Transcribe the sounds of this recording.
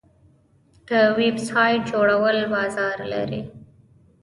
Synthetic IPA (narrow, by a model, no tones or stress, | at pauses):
k̪əwebsɑjʈ̚d͡ʒoɽawəlbɑzɑɾla̰ɾḭ